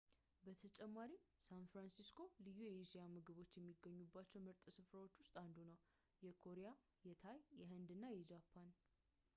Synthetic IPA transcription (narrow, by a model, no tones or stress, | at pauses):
bət̪ʰət͡ʃʼɛmːaɾisanfɾansiskʰo̞lɨjːujɛiʃijamɨɡɨβo̞t͡ʃːjɛmːiɡːəɲːubːat͡ʃːɛwmɨɾt̪ʼɨsɨfɾawo̞t͡ʃːwʊst̪ʼand̪unəw | jɛkʰo̞ɾeja | jɛt̪ʰajjɛɦɨnd̪ɨnːajɛd͡ʒapʰːan